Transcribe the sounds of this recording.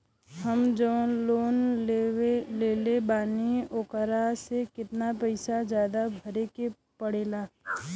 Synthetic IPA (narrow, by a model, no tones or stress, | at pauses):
həmd͡ʒəʋənloːneeleːlebaːnioːkəɾasekɪt̪napəɪsad͡ʒjaːd̪abʱəɾeke | pəɽeːlaː